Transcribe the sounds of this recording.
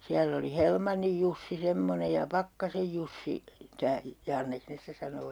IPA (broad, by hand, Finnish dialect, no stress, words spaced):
siælː oli helmɑnːij jusːi semːone jɑ pɑkːɑsej jusːi tæː jɑnːeks ne stæ sɑnoː